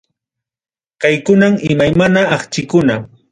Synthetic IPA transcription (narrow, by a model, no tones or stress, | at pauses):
kajkʊnamɪmajmanaːχt͡ʃɪkʊna